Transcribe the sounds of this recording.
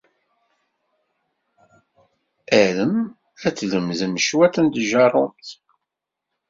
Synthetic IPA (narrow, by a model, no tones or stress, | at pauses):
æləm | æt͡sːləmðəmʃwæθənd̪ʒɑrˤʊmt̪